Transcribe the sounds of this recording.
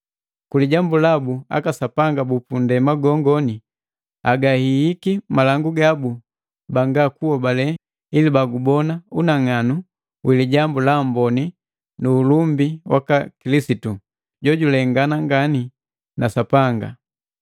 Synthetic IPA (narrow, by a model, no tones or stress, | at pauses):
kuliɟambulabua̰kasapaŋɡabupundɛmaɡɔŋɡɔni | aɡahiːkimalaŋɡuɡabu | baŋɡakuɔbalɛ | ilibaɡubɔnaunaŋanu | wiliɟambulambɔni | nuːlumbiwa̰kakilisitu | ɟɔɟulɛŋɡanaŋɡani | nasapaŋɡa̰